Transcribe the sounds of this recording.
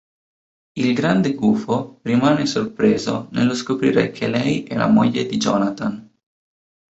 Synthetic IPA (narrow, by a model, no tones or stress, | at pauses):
ilɡɾand̪eɡuːforimaːnesorpɾeːzo̰nelːoskopɾḭːɾḛkʰelɛjɛla̰mo̰ʎːed̪id͡ʒɔːnat̪an